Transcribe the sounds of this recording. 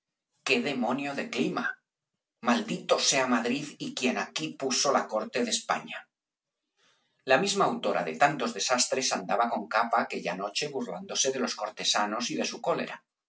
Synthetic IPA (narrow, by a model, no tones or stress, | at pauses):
ke̞ðe̞mõnjoðe̞klima | mald̪it̪o̞se̞amaðɾiðikje̞nakipuso̞lako̞ɾt̪e̞ðespa̰ɲa | lamizmaːwt̪o̞ɾa̰ðet̪ant̪o̞zðe̞sast̪ɾe̞sand̪aβako̞ŋkapaːke̞ʎa̰no̞t͡ʃe̞βuɾla̰nd̪o̞se̞ð̞e̞lo̞sko̞ɾt̪e̞sano̞siðe̞suko̞le̞̰ɾa